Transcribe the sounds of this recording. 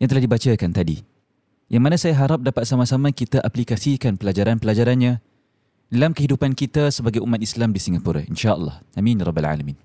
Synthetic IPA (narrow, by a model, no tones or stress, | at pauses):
jaŋt̪əlahdibat͡ʃakant̪adḭ | jaŋmanãsajaɦaɾap̚dapat̪̚samasamakit̪aʔaplikasikanpəlad͡ʒaɾanpəlad͡ʒaɾanɲã | dalamkəɦidupankit̪asəbaɡajumat̪islamdisiŋɡapuɾa̰inʃaə̰lːɑ̰hʔamĩnɾˤɔbːalʕa̰lamĩn